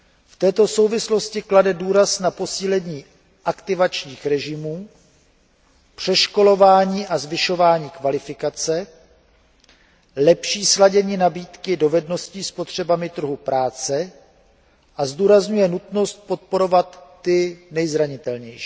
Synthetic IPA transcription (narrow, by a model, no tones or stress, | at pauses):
ft̪ɛːt̪o̞so̞wvɪslo̞scɪkladɛduːɾasnapo̞siːlɛɲiː | ʔakt̪ɪvat͡ʃɲiːxɾɛʒɪmuː | pr̝̥ɛʃko̞lo̞vaːɲiːʔazvɪʃo̞vaːɲiːkvalɪfɪkat͡sɛ | lɛpʃiːslaɟɛɲiːnabiːt̪kɪdo̞vɛdno̞sciːspot̪r̝̥ɛbamɪt̪r̩ɦupɾʔaːt͡sɛ | ʔazduːɾazɲujɛnut̪no̞st̪̚po̞t̪̚po̞ɾo̞vat̪ːɪnɛjzɾaɲɪt̪ɛlɲɛjʃi̥ː